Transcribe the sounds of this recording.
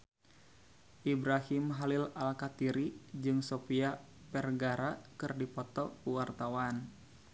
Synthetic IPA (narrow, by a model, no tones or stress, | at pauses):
ʔibɾahimɦalilalkat̪iɾid͡ʒɨŋsopia | pɛrɡaɾakɨrdipɔt̪ɔkuwart̪awan